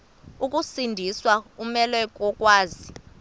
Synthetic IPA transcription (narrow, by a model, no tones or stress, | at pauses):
ukʼusindʱiswakumɛlɛk̬ʼɔkʼwaːzi